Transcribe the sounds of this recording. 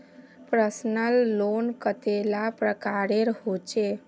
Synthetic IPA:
pɾəsnəlːonkət̪elapɾəkaɾeɾɦot͡ʃe

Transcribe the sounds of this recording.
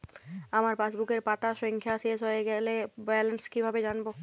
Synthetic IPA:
amaɾpasbukeɾpat̪aʃɔŋkʰjasiesoeɡɛlebɛlenskibʱabed͡ʑanbo

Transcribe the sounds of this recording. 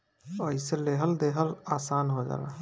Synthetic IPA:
əiseleɦəld̪eɦəlaːsaːnɦod͡ʒa̰ːla̰

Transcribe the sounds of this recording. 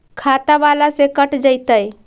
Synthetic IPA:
kʰat̪aʋalasekəʈd͡ʒəjt̪əj

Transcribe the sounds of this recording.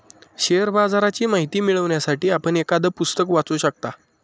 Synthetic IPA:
ɕeəɾbad͡zaɾat͡ɕiːmaɦit̪iːmiɭəʋɳjasaʈiːapəɳekad̪əpust̪əkʋat͡suɕək̚t̪a

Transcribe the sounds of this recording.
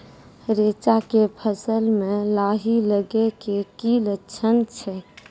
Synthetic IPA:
ɾet͡ʃakepʰəsəlmẽlaɦiləɡekekilətːʃʰənt͡ʃʰɛ

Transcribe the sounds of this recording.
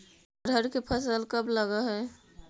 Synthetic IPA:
ɾʱəɾkepʰəsəlkəbləɡaɦɛː

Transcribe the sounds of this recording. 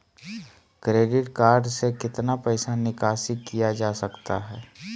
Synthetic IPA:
kɾeːɖɪʈkaːɾɖsekɪt̪napɛɪsanɪkaːsɪkːijad͡ʒaːsɐkt̪aɦɛː

